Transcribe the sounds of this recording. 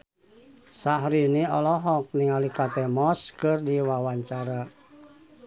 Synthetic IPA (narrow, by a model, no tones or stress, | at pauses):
saɦɾiniɔlɔɦɔk̚niŋalikat̪ɛmɔskɨrdiwawaɲt͡ʃaɾa